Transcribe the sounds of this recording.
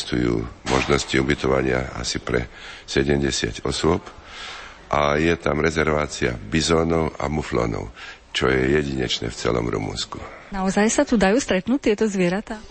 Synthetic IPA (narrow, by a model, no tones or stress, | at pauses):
st̪ujṵːmɔʒnɔsciubit̪ɔʋaɲɪa̰a̰sipɾɛ̰sɛɟɛmɟɛsɪa̰cɔsʊɔp | ʔajɛt̪amɾɛzɛɾʋaːt͡sia̰bizɔːnɔʊa̰muflɔ̰ːnɔ̰ʊ | t͡ʃɔjɛjɛɟiɲɛt͡ʃnɛ̰ːft͡sɛ̰lɔ̰mɾṵmṵnskunaɔzajsat̪ud̪ajuːst̪ɾɛt̪nuːc̚t̪ɪɛt̪ɔzʋɪɛɾat̪aː